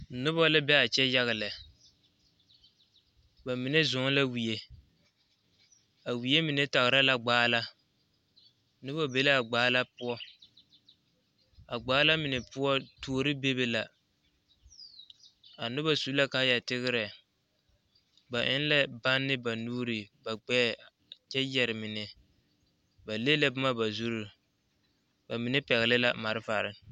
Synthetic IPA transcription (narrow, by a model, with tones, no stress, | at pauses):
nʊ˦ba˦lɪ˦bɛ˦a˨t͡ʃɛ˦ja˦ɣɪ˨lɛ˨ | ba˨mɪ˨nɛ˦zʊ˨˦la˦wi˨je˦ | a˨wi˨e˦mɪ˨nɛ˦ta˨ɣɪ˨ɾa˦la˨ɡ͡baː˦la˦ | nʊ˦ba˦be˨le˦a˨ɡ͡baː˦la˦pʊ˦ɔ˦ | a˨ɡ͡baː˨˦la˦mɪ˨nɛ˨pʊ˦ɔ˦tu˨˦o˦ɾɪ˦be˦be˦la˨ | a˨nʊ˦ba˦su˦la˦ka˦ja˨tɪ˦ɣɪ˦ɾɛ˨ | ba˨ʔɪ˦n˦lɛ˦ba˦nːɪ˦ba˨nuː˦ɾi˨ba˨ɡ͡bɛː˦˨ | t͡ʃɛ˦jɛ˨ɾɪ˨mɪ˨nɛ˨ | ba˨le˦lɛ˦bʊ˦ma˦ba˨zu˦ɾu˦ | ba˨mɪ˨nɛ˦pɛ˨ɣɪ˨lɪ˦la˦ma˨ɾɪ˦fa˨ɾɪ˦